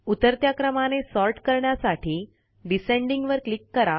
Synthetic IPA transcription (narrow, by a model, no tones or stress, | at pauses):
ut̪əɾt̪jakɾəmanesɔɾʈkəɾɳjasaʈʰiː | ɖisẽɳɖĩŋɡʋəɾklikːəɾa